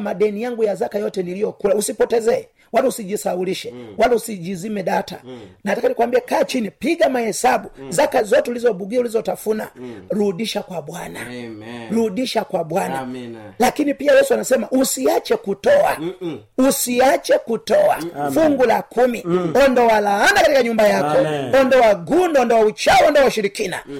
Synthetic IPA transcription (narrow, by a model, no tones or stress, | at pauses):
maɗɛnijaŋɡujazakajɔtɛnilijɔkulausipɔtɛzɛɛ | walausiʄisauliʃɛwalausid͡ʒizimɛɗata̰natakanikwambiɛkaːt͡ʃinipiɡamahɛsaɓuzakazɔtɛulizɔbuɡiaulizɔtafunaɾuɗiʃakwaɓwanaɾuɗiʃakwaɓwanalakinipiajɛsuanasɛmaʔusiat͡ʃɛkutɔa | usiat͡ʃɛkutɔafuŋɡulakumiɔndɔwalaandakatikaɲumbajakɔɔndɔwaɡundɔɔndɔwaut͡ʃaɔndɔwauʃiɾikina̰